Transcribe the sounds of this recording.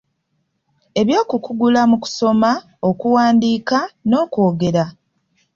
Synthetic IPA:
e̞βjo̞ːkukuɡulamuku̥so̞ma | o̞kuwaːndiːkano̞ːkoːɡe̞ɾa

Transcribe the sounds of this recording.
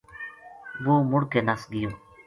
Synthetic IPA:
buːmʊɽkenasɡɪjoː

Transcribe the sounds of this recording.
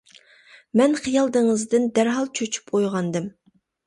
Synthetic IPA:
mɛnχijɑlˠd̪ɨŋɨzd̪ɨnd̪æɾɦɑlˠt͡ʃʰøt͡ʃʰy̥pqʰojʁɑnd̪ɨm

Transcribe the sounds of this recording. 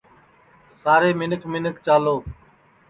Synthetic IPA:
saːɾeːmɪnəkʰmɪnəkt͡ʃaːloː

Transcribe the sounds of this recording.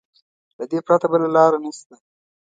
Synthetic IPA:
lad̪epɾat̪abəlalɑɾanast̪a

